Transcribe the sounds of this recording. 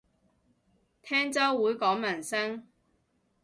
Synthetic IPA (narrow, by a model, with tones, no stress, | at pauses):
t̪ʰɛː˥ŋt͡sɐ˥wːuː˨˥jkɔː˨˥ŋmɐ˨˩nsɐ˥ŋ